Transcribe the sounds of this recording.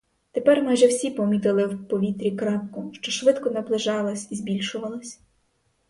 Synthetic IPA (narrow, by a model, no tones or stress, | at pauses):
t̪epɛrmɑjʒɛwsʲipɔmʲit̪ɪlˠɪwpɔʋʲit̪ɾʲikɾɑp̚kʊʃt͡ʃɔʃʋɪt̪kɔnɐplˠɪʒɑlˠɔsʲizbʲilʲʃʊʋɐlˠɐsʲ